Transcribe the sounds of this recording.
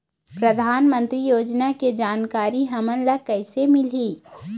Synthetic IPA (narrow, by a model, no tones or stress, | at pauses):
pɾəd̪ʱaːnmə̃nt̪ɾijoːd͡ʒnaked͡ʒaːnkaːɾiɦɐmənləkɐɪsemɪliː